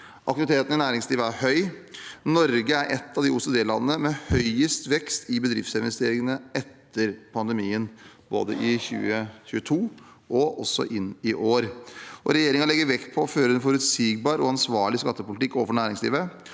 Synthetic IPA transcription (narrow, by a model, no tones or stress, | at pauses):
ʔɑ̰k̚t̪ɪʋɪt̪ʰeːt̪ənənæːɾɪŋsliːʋəæɾhœʏnɔɾɡəæɾʔɛt̪ʰːɑʋd̪ɪʊsʊd̪eːlɑ̰nːənəmɛhœʏəst̪ʋɛkst̪ɪbəd̪ɾɪft̪sɪnʋɛst̪eːɾɪŋənəɛt̪ʰːəɾpʰɑnd̪əmiːən | bo̰ːd̪əʔɪçʉ̰ːəçʉːət̪ʰuː | ɔɔsːɔ̰ʔɪnːɪʔoːɾʔɔɾɛjeːɾɪŋɑlɛɡːəɾʋɛk̪pʰɔføːɾəɾɛnfɔɾʉt̪siːɡ̚bɑːɾɔɑnsʋɑːɭɪskɑt̪ːəpʊlɪt̪ɪkːoːfɔɳæːɾɪŋslḭːʋə